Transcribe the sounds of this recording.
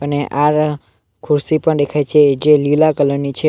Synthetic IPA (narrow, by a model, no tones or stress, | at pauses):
əneʔaɾ | kʰuɾsipəɳd̪ekʰajt͡ʃʰed͡ʒelilakələɾnit͡ʃʰe